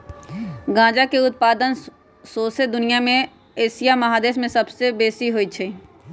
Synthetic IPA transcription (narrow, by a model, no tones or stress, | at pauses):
ɡãːd͡ʒakeʊt̪̚paːd̪ən | soːsed̪ʊnijamẽ | eːsijamɐɦaːd̪eːsmẽsɐbsebeːsiɦoːit͡ʃʰeː